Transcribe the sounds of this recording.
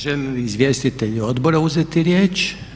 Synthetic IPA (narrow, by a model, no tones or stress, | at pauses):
ʒɛmizʋje̞st̪it̪eʎuo̞d̪boɾauzet̪iɾjeːt͡ʃ